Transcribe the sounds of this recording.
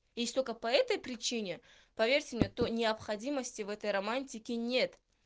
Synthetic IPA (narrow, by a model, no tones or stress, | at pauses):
jesʲt̪o̞lʲkəpɐɛt̪əjpɾʲɪt͡ɕinʲɪ | pɐvʲerʲtʲɪmnʲet̪onʲɪɐpxɐdʲiməsʲtʲɪvɛt̪əjɾɐmanʲtʲɪkʲɪnʲe̞t̪